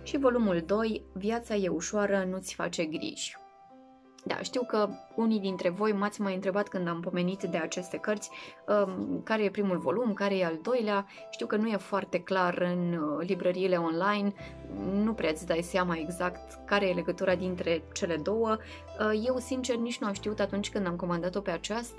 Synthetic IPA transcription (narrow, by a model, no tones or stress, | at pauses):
ʃivo̞lumuld̪o̞jvjat̪saje̞uʃoaɾənut̪sʲfa̰t͡ʃe̞ɡɾḭʒ̥ʲ | d̪a̰ʃt̪iwkəunijd̪int̪ɾe̞vo̞jmat̪sʲmajɨnt̪ɾe̞bat̪kɨnd̪ampo̞me̞nit̪d̪e̞at͡ʃe̞st̪e̞kərt̪sʲəkaɾe̞je̞pɾimulvo̞̰lumkaɾe̞jeald̪o̞jlea | ʃt̪iwkənuje̞foart̪e̞klarɨnlibɾəɾiːle̞o̞nlajn | nupɾeat̪sʲd̪aj̪seamaeɡzakt̪ | kaɾe̞jele̞ɡət̪uɾad̪int̪ɾe̞t͡ʃe̞le̞d̪o̞wə | je̞wsint͡ʃe̞rnit͡ʃnuamʃt̪iut̪at̪unt͡ʃʲkɨnd̪amko̞mand̪at̪o̞pe̞at͡ʃast̪